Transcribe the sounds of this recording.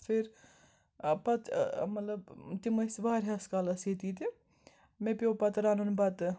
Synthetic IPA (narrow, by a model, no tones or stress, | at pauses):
fʰiɾ | pɐt̪mɐt̪lɐbt̪imɐsbaːɾʲɦɐskalɐset̪it̪e | mẽpjoːpɐt̪ɾaːnunbɐt̪